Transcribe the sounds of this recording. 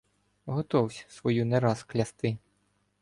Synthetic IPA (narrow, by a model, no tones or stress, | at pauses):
ɦɔt̪ɔwsʲsʋɔjuneɾɑsklʲɐst̪ɪ